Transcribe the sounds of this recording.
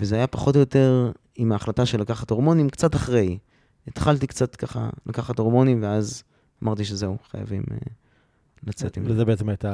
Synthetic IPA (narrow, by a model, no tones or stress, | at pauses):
vezeajapaχo̞tojo̞te̞ʁ | imaːχlataʃelakaχato̞ʁmo̞nimkt͡sataχʁe̞j | et̪χalt̬ikt͡sat̪kaχa̰lakaχato̞ʁmo̞nimveaz | amaʁt̪̬iʃezeuχa̰ja̰vimḛ | lat͡set̪imezebeet͡semajta